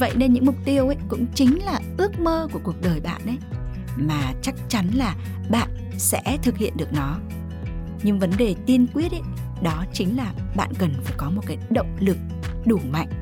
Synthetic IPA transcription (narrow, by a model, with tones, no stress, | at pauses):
və̰˧˨jne˧nɲɨ̰˧˥ŋmʊ˨˩k͡p̚t̪i˧əwʔə˨˧˦jkʊ̰˧˥ŋ͡mt͡ɕï˨˦ŋ̟laː˨˩ʔɨ˦˥ək̚məː˧ku˧˩əku˨˩ək̚ɗəː˨˩jɓa̰ː˧˨nʔə˨˦j | maː˨˩t͡ɕa˦˥k̚t͡ɕa˨˦nlaː˨˩ | ɓa̰ː˧˨n | sɛ̰˧˥t̪ʰɨ˨˩k̚hḭ˧˨ənɗɨ˨˩ək̚nɔ˨˦ | ɲɨ˧ŋvə˨˦nɗe˨˩t̪i˧ənkwi˦˥ət̚ə˧˦ | ɗɔ˨˦t͡ɕï˨˦ŋ̟laː˨˩ɓa̰ː˧˨nkə˨˩nfaː˧˩jkɔ˨˦mo˨˩t̚kaː˨˦jɗə̰˧˨wŋ͡mlɨ˨˩k̚ | ɗu˧˩ma̰˧˨ŋ̟